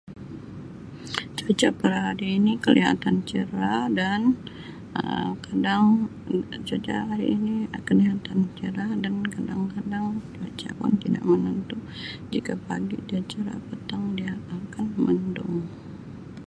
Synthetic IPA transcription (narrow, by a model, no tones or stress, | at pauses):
t͡ʃot͡ʃapəɾhaɾiːnikəlḭɦa̰t̪ant͡ʃəɾadan | ə̰mkadaŋ | t͡ʃot͡ʃa̰ɦaɾḭʔːnikəliɦat̪ant͡ʃəɾadankadaŋkadaŋd͡ʒiat͡ʃa̰ka̰nt̪ida̰ʔmənənt̪u | d͡ʒikapaɡidiat͡ʃaɾa̰pət̪aŋdiaakanməndʊ̰ŋ